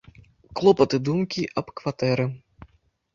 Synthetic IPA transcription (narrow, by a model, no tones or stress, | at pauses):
klˠɔpɐt̪ɨd̪umkʲiʔɐpkvat̪ɛɾɨ